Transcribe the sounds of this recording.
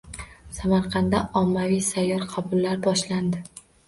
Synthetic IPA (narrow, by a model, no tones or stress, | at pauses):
samaɾqʰɑnd̪aʔɒmːavijsajːɒɾqʰɑbʊlːaɾbɒʃland̪ɪ